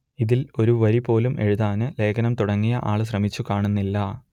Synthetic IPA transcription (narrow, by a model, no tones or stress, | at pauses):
iðilo̞ɾuʋɐɾipo̞ːlumʔe̞ɻuðaːnɨle̞ːkʰɐnɐmt̪uɽɐŋːijɐʔaːɭɨɕ̬rɐmit͡ɕːukaːɳunːilːɐ